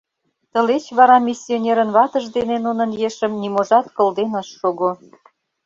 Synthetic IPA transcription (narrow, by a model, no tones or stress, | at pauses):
t̪ə̆let͡ɕβɑɾɑmʲisʲːionʲeɾənβɑt̪əʒd̪enenunə̆njeʃə̆mnimoʒɑt̪kɤ̆ld̪enɑʃːoɣo